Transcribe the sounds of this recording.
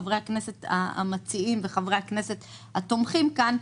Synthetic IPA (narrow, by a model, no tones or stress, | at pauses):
vʁejhaknese̞t̪a̰a̰mat͡siimveχavʁe̞jhakne̞se̞t | hat̪omχimkan